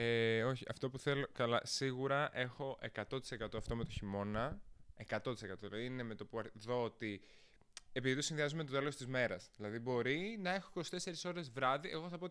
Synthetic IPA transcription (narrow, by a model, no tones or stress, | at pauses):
eoçiɐ̰ft̪o̞puθe̞lo̞kɐlɐ̰siɣuɾɐʔe̞xo̞ʔe̞kɐt̪o̞t̪i̥se̞kɐt̪oɐft̪o̞me̞t̪o̞çimo̞nɐe̞kɐt̪o̞t̪ise̞kɐt̪oðilɐðiinemet̪opuɐɾðo̞ot̪i | e̞piðit̪osinðiɐzumet̪ot̪elo̞st̪izme̞ɾɐzðilɐðibo̞ɾinɐe̞xoiko̞si̥t̪e̞se̞ɾiso̞ɾe̞zvɾɐðiʔe̞ɣo̞θɐpot̪